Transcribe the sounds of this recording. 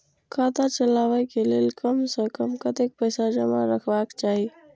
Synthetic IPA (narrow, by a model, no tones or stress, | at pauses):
kʰat̪at͡ʃəlabəkelelkəmsə̃kəmkət̪ek̚pəjsad͡ʒəma̰ɾəkʰbakt͡ʃaɦi